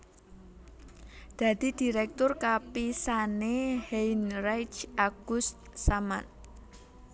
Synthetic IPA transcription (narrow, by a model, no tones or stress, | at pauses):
d̪̥a̤d̪̥i̤d̪̥i̤ɾɛk̚t̪ʊrkapisaneheinrajt͡ʃaɡ̥ʊst̪̚saman